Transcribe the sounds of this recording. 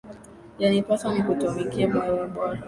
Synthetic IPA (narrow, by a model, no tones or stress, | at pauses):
janipatam̩kutumikiamaɾaɓwaa